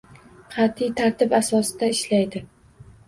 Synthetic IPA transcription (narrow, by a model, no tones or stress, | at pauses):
qʰɑt̪ijt̪ʰaɾt̪ɪbasɒsɪd̪aɪʃlajd̪ɪ